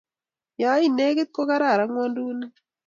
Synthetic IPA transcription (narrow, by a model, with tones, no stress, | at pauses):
ja˨˦i˦˨ne˦ke˦t̪̚ko˦ka˦ɾa˦˨ɾa˨˦ŋwɔ˦ndu˦ne˦